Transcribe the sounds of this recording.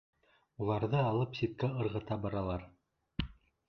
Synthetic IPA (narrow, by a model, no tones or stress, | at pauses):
ulˠɑɾðɤɑlˠɤpsit̪̚kæɤ̆ɾʁɤ̆t̪ɑbɑɾɑlˠɑɾ